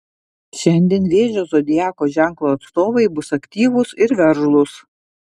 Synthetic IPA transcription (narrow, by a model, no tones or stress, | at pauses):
ʃʲɛnʲd̪ʲeːnʋʲeːʒʲoːzoːd̪ʲɪjæːkoːʒʲæˑŋˑklˠoːɐt̪st̪oːʋɐɪbʊsɐkʲt̪ʲiːʋʊsɪɾʋʲɛɾʒlˠʊs